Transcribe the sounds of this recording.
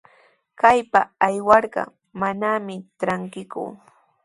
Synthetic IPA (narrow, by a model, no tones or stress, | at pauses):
kajpaajwɑɾɢɑ̰ | manamɪʈ͡ʂɾaŋkɪkʊ̰